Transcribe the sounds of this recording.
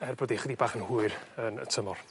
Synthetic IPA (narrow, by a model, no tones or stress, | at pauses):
ɛrboːdiχədibaːχənhuɨrənə̰tʰəmɔr